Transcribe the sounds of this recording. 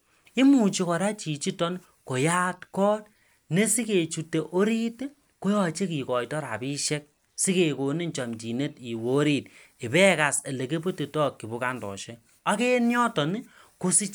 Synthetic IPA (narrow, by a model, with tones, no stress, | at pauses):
i˦mu˨t͡ʃi˦kɔ˨ɾa˦t͡ʃi˨t͡ʃi˦tɔ˦n | ko˨ja˦tkɔː˦t̚ | ne˦si˦ke˨t͡ʃu˨te˨ʔo˦ɾi˦t | ko˦jɔ˨t͡ʃe˦ki˨kɔ˨jtɔ˦ɾa̰˨pi˦ʃe˦k̚ | si˦ke˨ko˨ni˦ɲt͡ʃa˨mt͡ʃi˨ne˦ti˨wo˨˦ɾi˦t̚ɪ˨pɛ˦ka˨se˨le˨ke˦p̬o˦ti˨tɔ˦kːi˨bu˦ka˦ndɔ̰˨ʃe˦ | a˦ke˦njɔ˦tɔ˨n˦ | ko˦si˦